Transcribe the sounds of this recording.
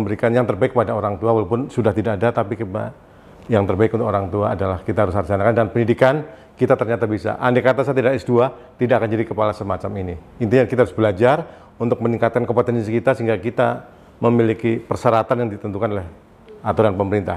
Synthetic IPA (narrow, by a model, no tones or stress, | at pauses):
əmbəɾikanjaŋt̪ərbaɪkːəpadaoɾaŋt̪uawalawpʊnsudaht̪idaʔːdat̪apika̰ | jaŋt̪ərbaɪkunt̪ʊkoɾaŋt̪uaːdalahkit̪aɦaɾʊshart͡ʃanakandnpəndidikan | kit̪at̪ərɲat̪abisa̰ʔandekat̪asat̪idasdua | t̪idaʔakand͡ʒadikəpalasəmat͡ʃamini | int̪̬iɲakit̪aɾʊsbəlad͡ʒar | unt̪ʊk̚məniŋkat̪̚kankopot̪ɛns̬ikit̪asəɦiŋɡakit̪a | məmilikipərsəɾat̪anjaŋdit̪ənt̪ukanolɛh | at̪odanpəməɾint̪a̰h